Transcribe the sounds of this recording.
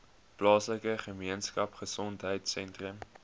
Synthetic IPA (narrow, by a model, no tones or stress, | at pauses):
plɑːsləkəχəmiənskɐpχəsɔntɦəjtsɛntrəm